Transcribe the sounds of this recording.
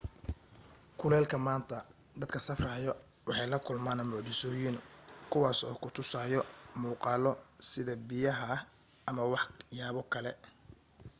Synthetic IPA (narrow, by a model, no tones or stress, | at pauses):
kʰʊlɛːlkʰɐmaːnt̪ʰɐ | d̪ɐd̪kʰɐsɐfraːjɔ | wɑħɑjlɐkʰʊlmaːnɐmʊʕt͡ʃɪsɔːjɪnkʰʊwɑːsɔ̰ːkʰʊt̪ʰʊsaːjɔmuːqɑːlɔsɪðɐbɪjɐɦɐ | ʔɐmɐwɑħjaːβɔkʰɐlɛ̰